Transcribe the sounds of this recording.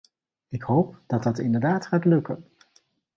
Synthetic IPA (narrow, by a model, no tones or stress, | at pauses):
ɪkhowp̚d̥ɑtɑtɪndəɹdaːtχaːtlɵkən